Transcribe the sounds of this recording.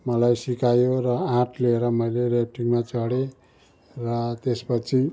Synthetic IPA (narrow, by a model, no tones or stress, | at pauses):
mʌlajsikajorʌãʈleeɾʌmʌjlerep̚ʈiŋmat͡sʌɽe | rʌt̪espʌt͡sʰi